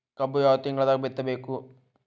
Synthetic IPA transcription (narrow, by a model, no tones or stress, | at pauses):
kɐbːujaːʋɐt̪ːiŋɡɐɭɐd̪aːɡɐbet̪ːɐbeːku